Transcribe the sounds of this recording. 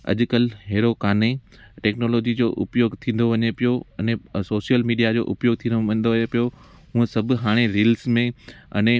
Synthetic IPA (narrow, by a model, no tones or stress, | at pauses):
ɐ̰ʄʊkəlɦeːɾokaːne | ʈɛːknoːlɔːd͡ʑid͡ʑoːʔʊpjoːɡt̪ʰĩːn̆d̪oʋɐɲepijoɐnẽsoːʃijəlmiːɖijad͡ʑo̰ːʔʊpjoːɡ̚t̪ʰĩːnõnd̪oʋɐɲepijo | ɦũːẽsɐbʱʊ̆ɦaːɽ̃eɾiːlsmẽɐ̰nẽ